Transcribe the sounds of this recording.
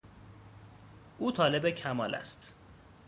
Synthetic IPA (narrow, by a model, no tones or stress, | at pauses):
ʔuːt̪ʰɒːle̞becʰæmɒːlʔæ̰st̪